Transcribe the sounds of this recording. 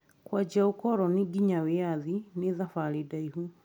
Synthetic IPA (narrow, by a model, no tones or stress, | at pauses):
kwad͡ʒaokɔɾɔniɡiɲaweaðineðafaɾedaiɦu